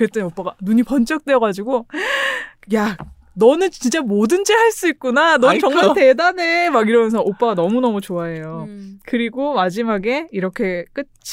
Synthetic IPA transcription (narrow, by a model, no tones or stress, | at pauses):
kɾet͈enop͈aɡanuɲipʌnt͡ɕ͈ʌk̚t͈weʌɡad͡ʑiɡo | ja | nʌnɯnt͡ɕint͡ɕ͈amodɯnd͡ʑehaɭs͈uik̚k͈unanʌnt͡ɕʌŋate̞danemaɡiɾʌmjʌnsʰʌʔop͈aɡanʌmunʌmut͡ɕoaɦe̞jokɯɾiɡomad͡ʑimaɡe̞iɾʌkʰe̞k͈ɯt͡ɕʰ